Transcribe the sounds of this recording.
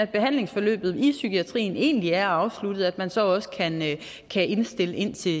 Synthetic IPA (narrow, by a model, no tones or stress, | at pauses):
æd̥̚b̥e̝ɦæn̰le̝ŋsfɒ̽lø̰ːb̥ð̩ˠisykiæt͡sʰʁḭːne̝̰ːnliæɐɑ̈ʊslud̥ð̩ˠæd̥mænsɒ̽ɒ̽sə̥kʰæn | kʰæʔe̝nsd̥e̝ləʔe̝n̰t͡sʰe̝